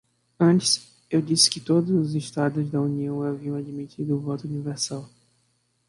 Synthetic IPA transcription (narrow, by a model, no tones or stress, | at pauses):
ɐ̃nt͡ʃɪ̥s | ewd͡ʒisɪ̥kɪt̪od̪ʊzʊzɪʃt̪ad̪ʊzd̪ɐuniɐ̃w̃aviɐ̃w̃ad͡ʒimit͡ʃ̪id̪ʊːvɔt̪ʊuniveɾsaw